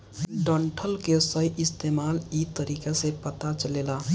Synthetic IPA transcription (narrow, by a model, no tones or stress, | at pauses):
ɖəɳʈʰəlkesəjʔist̪emalit̪əɾikasẽpət̪at͡ʃəlela